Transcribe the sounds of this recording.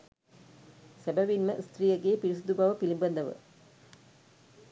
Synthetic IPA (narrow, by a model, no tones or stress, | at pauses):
sæbæʋinməʔst̪rijəɡeːpiɾis̬ud̪ubaʋəpilimbɐnd̪ɐʋə̰